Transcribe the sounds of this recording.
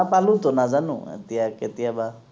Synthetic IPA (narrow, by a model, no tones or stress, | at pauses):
apalut̪onazanṵ̃ɛ̰tiaket̪iaba